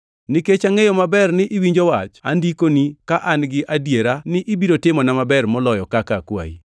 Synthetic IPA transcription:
nɪket͡ʃaŋejɔmabɛrnɪʔɪwiɲd͡ʒowat͡ʃandikonikaʔanɡɪʔadjeɾanɪʔɪbiɾotɪmɔnamabɛrmɔlɔjɔkakakwa̰ḭ

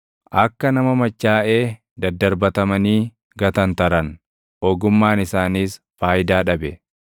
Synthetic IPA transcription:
ʔɐkːɐnɐmɐmɐt͡ʃːaːʔeː | d̪ɐd̪ːɐɾbɐt̪ɐmɐniː | ɡɐt̪ɐnt̪ɐɾɐn | ʔɔɡʊmːaːnɪsaːniːsfaːjɪd̪aːᶑɐbɛ

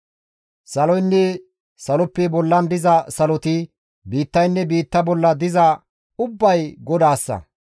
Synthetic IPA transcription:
sɐlɔjnːɛ | sɐlɔpːɛbɔlːɐnd̪ɪzɐsɐlɔt̪ɪ | biːt̪ːɐjnːɛbiːt̪ːɐbɔlːɐd̪ɪzɐ | ʊbːɐjɡɔd̪aːsːɐ̰

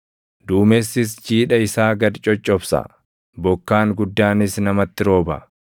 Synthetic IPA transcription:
d̪uːmesːɪs̬t͡ʃiːᶑɐɪsaːɡɐd̪t͡ʃʼːɔt͡ʃʼːɔbsɐ̰ | bɔkːaːŋɡʊd̪ːaːnɪsnɐmɐt̪ːɪɾo̞ːbɐ̰

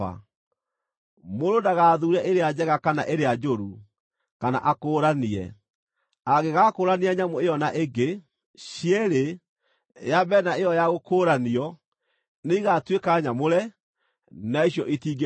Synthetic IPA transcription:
a̰ | moɾodaɣaːðuːɾɛʔeɾead͡ʑɛɣakana̰ʔeɾead͡ʒoɾu | kana̰ʔakoːɾaniɛ̰ | aɣeɣakoːɾaniaɲamoeɔnaʔeɡe | ɕiɛɾe | jabɛnaejɔjaɣokoːɾaniɔ | neiɣatwekaɲamoɾɛ | naeɕjɔʔitiːɡe

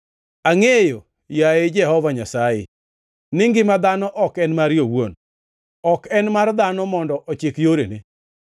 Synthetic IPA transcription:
aŋejo | jaɪd͡ʒɛhɔvaɲasajɪ̰ | nɪŋɡɪmad̪anɔʔɔkɛnmaɾjowon | ɔkɛnmard̪anɔmɔndɔʔɔt͡ʃɪkjoɾenḛ

